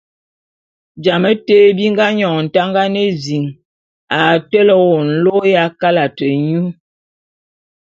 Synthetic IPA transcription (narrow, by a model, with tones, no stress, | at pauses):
d͡ʒa˨mə˦te˦bi˦ŋɡa˦ɲɔ˨n̩˨ta˦ŋɡa˦ne˦zi˨ŋ | a˨tɛ˦lɔ˦wo˨n̩˦lo˦ja˦ka˦la˨tə˨ɲu˦